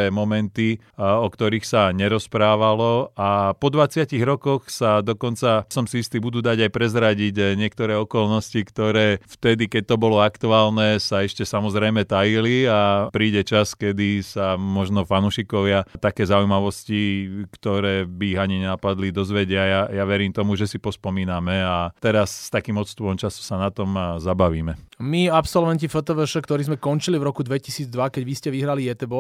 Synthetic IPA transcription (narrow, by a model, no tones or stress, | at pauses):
ɛːmɔmɛnt̪i | ɔkt̪ɔɾiːxsaɲɛɾɔspɾaːʋalɔapɔd̪ʋat͡sɪaciɣɾɔkɔxsad̪ɔkɔnt͡sasɔmsiist̪iːbud̪uːd̪aɟajpɾɛzɾaɟiɟɲɪɛkt̪ɔɾɛːɔkɔlnɔscikt̪ɔɾɛːft̪ɛd̪ikɛc̚t̪ɔbɔlɔakt̪uaːlnɛːsaɛʃcɛsamɔzɾɛjmɛt̪ajiliapɾiːɟɛt͡ʃaskɛd̪isamɔʒnɔfanuːʃikɔʋɪat̪akɛːzaujmaʋɔscikt̪ɔɾɛːbiːɦaɲiɲɛnapad̪lid̪ɔzʋɛɟɛajajaʋɛɾiːmt̪ɔmuʒɛsipɔspɔmiːnamɛat̪ɛɾasːt̪akiːmɔt̪st̪upɔmt͡ʃasɔsanat̪ɔmzabaʋiːmɛmiapsɔlʋɛncifɔt̪ɔʋɛʃɛkt̪ɔɾiːzmɛkɔnt͡ʃilivɾɔkud̪ʋɛcisiːd͡zd̪ʋakɛɟʋiscɛʋiɦɾalijɛt̪ɛbɔ